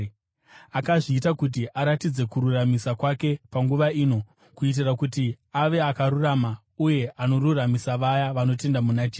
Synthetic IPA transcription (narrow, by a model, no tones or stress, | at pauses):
akaʐiːtakut̬iʔaɾatid͡ze̞kuɾuramisakwake̞paŋɡuʋaiːno̞ | kuit̬irakuti | aʋe̞akaɾurama | uje̞ʔano̞ɾuramisaʋajaʋano̞te̞ndamunat͡ʃeː